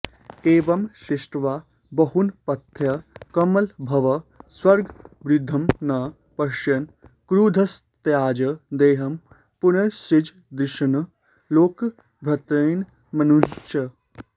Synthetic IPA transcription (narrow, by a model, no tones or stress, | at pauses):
eːʋɐmʃiʃʈʋaː | bɐɦunpɐt̪ʰjɐkɐmɐlbʱɐʋɐswɐɾɡbɾɪd̪ʱːɐmnɐ | pɐʃjɐn | kɾud̪ʱɐs | t̪jaːd͡ʒɐd̪eːɦɐm | punɐɾsid͡ʒ | d̪ɪʃɐnɐ | loːk | bʱɾɐt̪ɾɐjn | mɐnuʃjɐ